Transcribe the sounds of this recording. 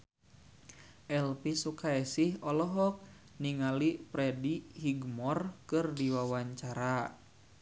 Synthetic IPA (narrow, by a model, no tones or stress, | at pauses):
ʔɛlpisukaɛsihɔlɔɦɔk̚ | niŋalipɾɛdihiɡmɔrkɨrdiwawaɲt͡ʃaɾa